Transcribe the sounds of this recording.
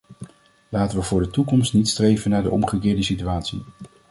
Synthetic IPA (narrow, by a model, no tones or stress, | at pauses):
laːtəʋəvʊːɹdətukɔmstnitstrejvənaːɹdə̰ʔɔmχəkɪːɹdəsityaːtsḭ